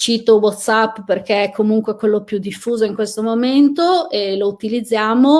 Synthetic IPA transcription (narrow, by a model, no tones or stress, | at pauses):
t͡ʃiːt̪owɔt̪sapːperkeɛkʰːomuŋkwekwelːopjud̪ːifːuːzoiŋkwest̪omoment̪oelout̪ilid̪zːjaːmo